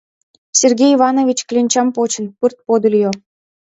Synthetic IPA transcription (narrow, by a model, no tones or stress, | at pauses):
sʲerɡʲejvɑnovʲit͡ɕklʲenʲt͡ɕɑmpot͡ɕə̆npɨrt̪̚pod̪ə̆lʲjo